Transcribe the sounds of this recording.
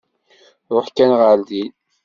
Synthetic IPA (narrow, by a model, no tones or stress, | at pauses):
ɾˤoħkænʁəld̪i